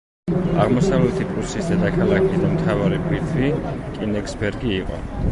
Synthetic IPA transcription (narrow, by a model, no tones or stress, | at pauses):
aʁmɔsavlɛt̪ʰipʼuɾsisd̪ad̪akʰalˠakʰisd̪amt̪ʰavaɾipʰit̪ʰɾikʼinɛksbɛɾɡiːqʼɔ̰